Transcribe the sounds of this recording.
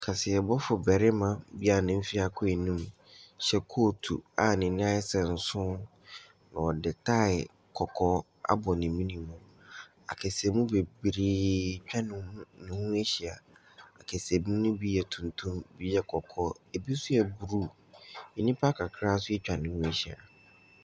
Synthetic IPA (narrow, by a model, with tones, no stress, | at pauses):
kʰa˨sɪ˨ɛ˨bɔ˦fʊ˨bɛ˨ɾɪ˦mã˨bi˦a˨nɪ̃˨m̩˦fi˦a˨kʰʊ˦e˨nĩ˦m | ɕɛ˦kʰoː˦˨tʰṵ˨a˨nɪ̃˨nɪ̃˦a˦ɪ˦sɛ̃˨n̩˨sʊ̃˦ | nã˨wɔ˨dɪ˨tʰa˦˨ɪ˨ | kʰɔ˨kʰɔ˦ | a̰˦bɔ˨nɪ̃˨mĩ˦nĩ˨mũ˨ | a̰˨kʰɛ˨se˨mũ˦be˨bɾi˦t͡ɕᶣa˦nʊ̃˨˦nɪ̃˨hũ˦e˦ɕi˨a˨ | a̰˨kʰɛ˨se˨mĩ˦nʊ̃˦bi˦jɛ˨tʰũ˨ntʰũ˦mbi˦jɛ˨kʰɔ˨kʰɔ˦e˨bi˦sʊ˦jɛ˨bu˨ɾu˦ | i˦nĩ˦pʰa˦kʰa˨kʰɾa˦sʊ˦ɛ˦t͡ɕᶣa˨nɪ̃˨hũ˦e˦ɕi˨a̰˨